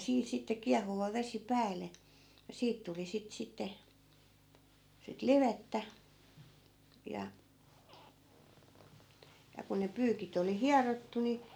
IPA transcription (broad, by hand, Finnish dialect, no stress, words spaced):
siːn sitːe kiɑhuʋɑ ʋesi pæːlːe jɑ siːt tuli sit sitːe sit liʋetːæ jɑ jɑ ku ne pyːkit oli hiɑrotːu ni